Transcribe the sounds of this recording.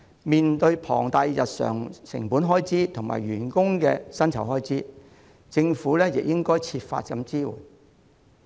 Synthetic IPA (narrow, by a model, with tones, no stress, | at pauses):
miː˨nt̪ɵ˧ɥpʰɔ̰ː˨˩ŋt̪a˧jjɐ˨t̚sœ̰ː˨˩ŋsɪ̰˨˩ŋpuː˨˥nɦɔː˥jt͡siː˥t̪ʰʊ˨˩ŋma̰ː˨˩jɥyː˨˩nkʊ˥ŋkɛː˧sɐ˥nt͡sʰɐ˨˩wɦɔː˥jt͡siː˥ | t͡sɪ˧ŋfuː˨˥lɛː˥jɪ˨k̚jɪ˥ŋkɔː˥jt͡sʰiː˧pfa̰ː˧t̚kɐ˧mt͡siː˥wṵː˨˩j